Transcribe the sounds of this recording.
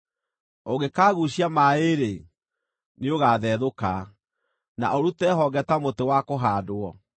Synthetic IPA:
oɣekaːɣuɕiamaeɾe | neoɣaːðɛðoka | na̰ʔoɾutɛɦɔɡɛtamotewakoɦaːdoɔ

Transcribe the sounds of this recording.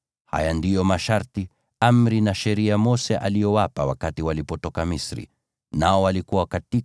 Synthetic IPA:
ha̰jandijɔmaʃaɾti | amɾinaʃɛɾiamɔsɛʔa̰lijɔwapawa̰katiwalipɔtɔkamisɾḭ | naɔwalikuwakati

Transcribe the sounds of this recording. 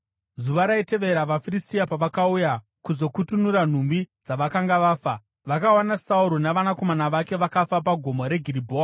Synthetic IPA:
zuʋaɾaite̞ʋe̞ɾaʋafiristiapaʋakauja | kuzo̞kutunuɾan̤umbid͡zaʋakaŋɡaʋaːfa | ʋakawanasauɾonaʋanako̞manaʋake̞ʋakafapaɡʱo̞moɾe̞ɡʱiribʱoːa

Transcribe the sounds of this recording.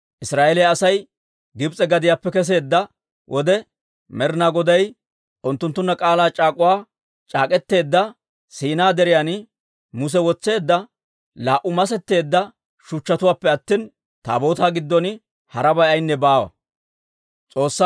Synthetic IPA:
ʔɪsɾaːʔelɛjːsɐj | ɡɪbt͡sʼɛɡɐd̪ɪjaːpːɛkɛs̬e̞ːd̪ːɐ | wʔɔd̪ɛ | mɛɾnaːɡɔd̪ɐj | ʔʊnt̪ːʊnt̪ːʊnːɐkʼaːlaːt͡ʃʼaːkʼʊwaː | t͡ʃʼaːkʼɛt̪ːe̞ːd̪ːɐ | siːnaːd̪ɛɾɪjan | mʊs̬ɛwɔt͡sːe̞ːd̪ːɐ | laːʔʊmɐsɛt̪ːe̞ːd̪ːɐ | ʃʊt͡ʃːɐt̪ʊwaːpːɛɐt̪ːiːn | t̪a̰ːbo̞ːt̪aːɡɪd̪ːɔnɪ | hɐɾɐbɐjɐjnːɛbaːwɐ̰ | t͡sʼo̞ːsːa

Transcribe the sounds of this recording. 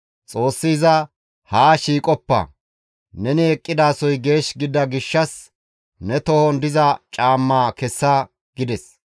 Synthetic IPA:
t͡sʼo̞ːsːiːzɐ | haːʃiːkʼɔpːɐ̰ | nɛnɪɛkʼːɪd̪aːsɔjɡe̞ːʃɡɪd̪ɐɡɪʃːɐs | nɛt̪ɔhɔnd̪ɪzɐt͡ʃʼaːmːaːkɛsːa | ɡ̥ɪd̪ɛs

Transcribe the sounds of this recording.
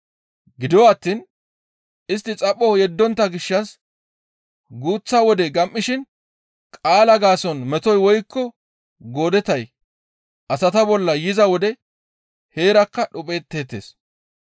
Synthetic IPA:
ɡɪd̪ɪwɐt̪ːiːn | ɪst̪ːɪt͡sʼɐpʼːɔjɛd̪ːɔnt̪ːɐɡɪʃːɐs | ɡuːt͡sːɐwɔd̪ɛɡɐmʔːɪʃɪn | kʼaːlɐɡaːsɔnmɛt̪ɔjwɔjkːɔ | ɡo̞ːd̪ɛt̪ɐj | ʔɐsɐt̪ɐbɔlːɐjɪzɐwɔd̪ɛ | he̞ːɾɐkːɐɗʊpʼe̞ːt̪ːe̞ːt̪ːḛːs

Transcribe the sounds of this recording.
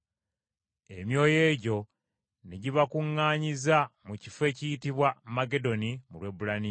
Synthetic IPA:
e̞mjo̞ːje̞ːɟo̞ | neɟiβakuŋːaːɲizamucife̞ːcijitiβwamaɡe̞do̞nimulwe̞bulani

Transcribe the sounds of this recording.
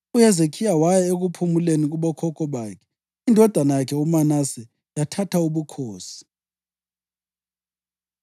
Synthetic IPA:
ujɛzekʰijawajɛeɣupʰumuleniɣ̬uɓɔkʰɔkʰʼɔɓaːkʰɛ̥ | indʱɔd̥ʱanajakʰɛumanasɛ | jatʰatʰauɓukʰoːsi̥

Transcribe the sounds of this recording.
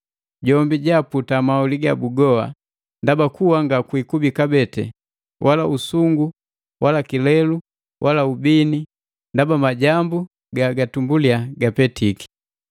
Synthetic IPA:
ɟɔmbiɟaputamauliɡabuɡɔa̰ | ndabakuwaŋɡakwikubikabɛtɛ̰ | wʔalausuŋɡu | wʔalakilɛlu | wʔalaubini | ndabamaɟambu | ɡaɡatumbuliaɡapɛtiki̥

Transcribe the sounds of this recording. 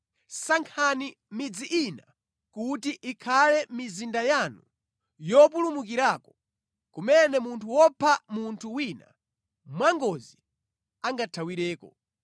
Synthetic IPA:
saŋkʰani | mid͡ziʔina | kutiʔikʰalɛmizindajanṵ | jɔp̬ulumukiɾaːkɔ | kumɛnɛmuntʰuwɔpʰamuntʰuwina̰ | mwaŋɡɔzi | aŋɡatʰawiɾɛːkɔ

